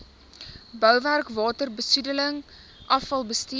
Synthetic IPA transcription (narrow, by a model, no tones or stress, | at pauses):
bœwværkvɑːtərbəsudələŋ | ʔɐfɐlˠbəsti